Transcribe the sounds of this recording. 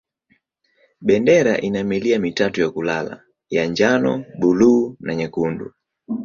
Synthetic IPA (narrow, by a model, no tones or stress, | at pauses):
ɓɛndɛɾaʔinamiliamitatujakulala̰ | jaɲd͡ʒanɔ̰buluːnaɲɛkundṵ